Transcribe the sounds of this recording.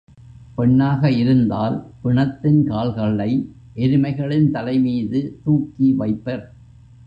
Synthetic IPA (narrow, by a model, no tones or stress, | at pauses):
pɛɳːaːɣɐɪɾɯnd̪aːlpɪɳɐt̪ːɪnkaːɭɣɐɭːɐɪ | ʔɛɾɯmɐɪɣɐɭɪnt̪ɐlɐɪmiːðɯt̪uːkːiʋɐɪpːɐɾ